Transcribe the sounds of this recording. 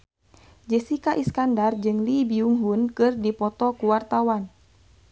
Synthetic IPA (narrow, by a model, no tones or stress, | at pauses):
d͡ʒɛsikaʔiskandard͡ʒɨŋlibiuŋɦunkɨrdipɔt̪ɔkuwart̪awan